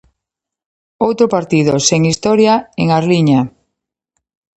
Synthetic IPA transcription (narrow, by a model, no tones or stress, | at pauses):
owt̪ɾopaɾt̪ið̞oseŋist̪ɔɾjaeŋaɾliɲa